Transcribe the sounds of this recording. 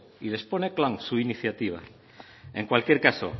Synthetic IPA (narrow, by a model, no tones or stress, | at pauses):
ile̞spo̞ne̞klaŋsuiniθjat̪iβ̞a̰ | e̞ŋkwalkjeɾkaso̰